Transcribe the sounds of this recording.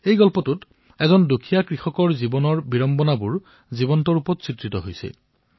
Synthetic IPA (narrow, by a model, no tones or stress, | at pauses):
ejɡɔlpɔtut | ɛzɔndukʰijakɹixɔkɔɹzibɔnɔɹbiɹɔmbɔnabuɹ | zibɔntɔɹupɔtsitɹitɔɦojsɛ̰